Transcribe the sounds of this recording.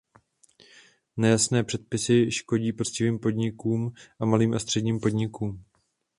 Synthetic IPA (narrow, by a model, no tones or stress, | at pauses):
nɛjasnɛːpr̝̥ɛt̪̚pɪsɪʃko̞ɟiːpo̞t͡scɪviːmpo̞dɲɪkuːmʔamaliːmʔast̪r̥ɛdɲiːmpo̞dɲɪkuːm